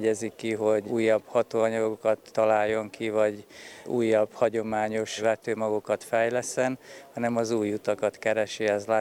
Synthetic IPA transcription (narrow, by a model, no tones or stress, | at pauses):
ɟɛzikiɦo̞ɟuːjːɒb̥hɒt̪oːɒɲɒɡokɒt̪ːɒlaːjːo̞ŋkivɒɟuːjːɒbhɒɟo̞maːɲo̞ʃvɛt̪øːmɒɡokɒt̪fɛjlɛsɛnhɒnɛmɒzuːjːut̪ɒkɒt̪kɛɾɛʃiɛzlaː